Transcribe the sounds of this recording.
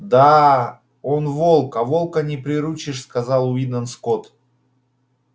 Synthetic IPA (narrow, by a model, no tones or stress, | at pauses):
d̪a | onvo̞lˠkɐvo̞lˠkənʲɪpɾʲɪɾut͡ɕɪʂskɐzɑlˠʊid̪nənskot̪